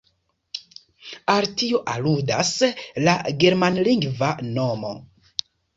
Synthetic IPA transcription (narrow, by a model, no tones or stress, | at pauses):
altioʔaludaslaɡe̞ɾmanliŋɡvano̞mo̞̰